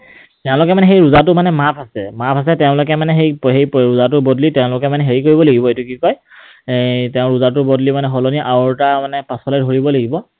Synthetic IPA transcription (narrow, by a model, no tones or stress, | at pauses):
tɛʊ̃lʊkɛmanɛxejɹuzatʊmanɛmapʰasɛmapʰas̬ɛtɛʊ̃lʊkɛmanɛxejɦejɹuzatʊbɔdlitɛʊ̃lʊkɛmanɛɦeɹikoɹibɔlaɡibɔejtukikɔj | tɛʊ̃ɹuzatʊbɔdlimanɛxɔloniʔaɔɹtamanɛpasɔlɛdʱoɹibɔlaɡibɔ